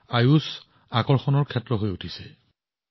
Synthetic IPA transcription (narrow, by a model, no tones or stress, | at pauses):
ajus | akɔɹxɔnɔɹkʰɛtɹɔɦojutʰisɛ